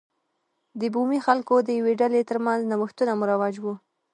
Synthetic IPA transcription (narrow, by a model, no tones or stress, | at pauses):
d̪əbumixalkod̪əjaweɖalet̪əɾmanznawəxt̪unamuɾawɑd͡ʒwu